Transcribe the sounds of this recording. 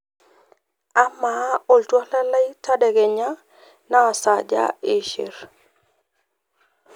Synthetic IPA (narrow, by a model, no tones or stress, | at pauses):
amaoltualalajtadɛɡɛɲa | nasad͡ʒa̰iʃḛɾ